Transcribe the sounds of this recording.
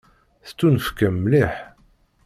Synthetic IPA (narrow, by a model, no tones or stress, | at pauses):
θt͡sːunəfkæmːliħ